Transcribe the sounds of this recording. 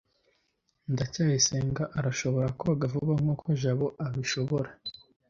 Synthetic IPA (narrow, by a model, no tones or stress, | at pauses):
ndacaːjiseːŋɡaʔaɾaʃo̞βo̞ɾakoaɡavuβaŋ̥okʰoʒaβoʔaβiʃo̞βo̞ɾa